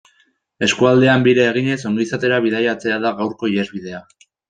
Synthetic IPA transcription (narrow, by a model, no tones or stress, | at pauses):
e̞skuald̪e̞ambiɾeːɣ̞iɲe̞so̞ŋɡisat̪e̞ɾaβið̞ajat͡se̞aðaɣawɾko̞iɾe̞zβiðe̞a